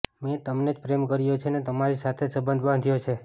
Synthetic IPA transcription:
met̪əmned͡ʒpɾemkəɾjot͡ʃʰenet̪əmaɾisat̪ʰesəbənd̪ʱbãnd̪ʱjot͡ʃʰe

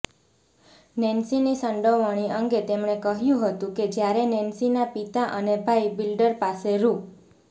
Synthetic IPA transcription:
nɛnsinisəɳɖəʋəɽ̃iəŋɡet̪emɳekəɦjũɦət̪ũked͡ʒjaɾenɛnsinapit̪aʔənebʱaibilɖəɾpaseɾũ

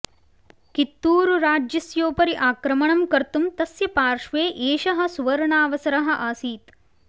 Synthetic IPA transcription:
kit̪ːuːɾuɾaːd͡ʒjɐsjoːpɐɾiʔaːkɾɐmɐɳɐmkɐɾt̪umt̪ɐsjɐpaːɾʂʋeːʔeːʃɐɦɐ̆suʋɐɾɐɳaːʋɐsɐɾɐɦɐ̆ʔaːsiːt̪

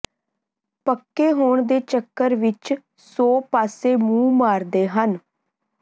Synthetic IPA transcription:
pəkːeːɦoːɳd̪eːt͡ʃəkːəɾʋɪt͡ʃ | soːpaːseːmũːmaːɾd̪eːɦən

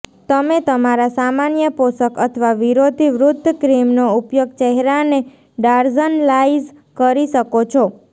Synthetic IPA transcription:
t̪əmet̪əmaɾasamanjəposəkət̪ʰʋaʋiɾod̪ʱiʋɾud̪ʱːəkɾimnoupjoɡ̚t͡ʃɛɦɛɾane | ɖaɾzənlaiz | kəɾiʃəkot͡ʃʰɔ

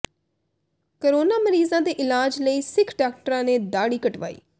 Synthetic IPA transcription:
kəɾoːnaːməɾiːzãːd̪eːʔɪlaːd͡ʒləiːsɪkʰɖaːk̚ʈəɾãːneːd̪aːɽiːkəʈʋa̰ːḭː

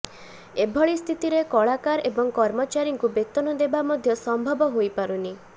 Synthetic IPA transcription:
ebʱɔɭist̪ʰit̪iɾekɔɭakaɾebɔŋkɔɾmɔt͡ʃaɾiŋkubet̪ɔnɔd̪ebamɔd̪ʱjɔsɔmbʱɔbɔɦojpaɾuni

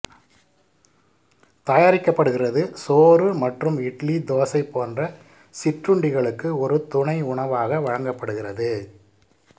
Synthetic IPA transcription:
t̪ɐjaːɾɪkːɐpːɐɽɯɣɪrɐðɯsoːrɯmɐʈrɯmɪʈlid̪oːsɐɪpːoːndrɐ | sɪʈrɯɳɖɪɣɐɭɯkːɯɔɾɯt̪ʊɳɐɪʊɳɐʋaːɣɐʋɐɻɐŋɡɐpːɐɽɯɣɪrɐðɯ

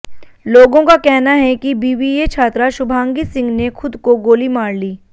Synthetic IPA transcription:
loːɡõkakɛɦnaɦɛkibiːʋiet͡ʃʰaːt̪ɾaʃʊbʱaːŋɡisɪ̃ŋɡnexʊd̪koɡoːlimaːɽliː

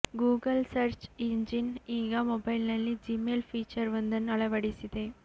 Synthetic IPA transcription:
ɡuːɡɐlsɐɾt͡ʃiɲd͡ʒiniːɡaːmɔbɐjlnɐlːid͡ʒimeːlfiːt͡ʃɐɾʋɐnd̪ɐnːɐɭɐʋɐɽisid̪eː

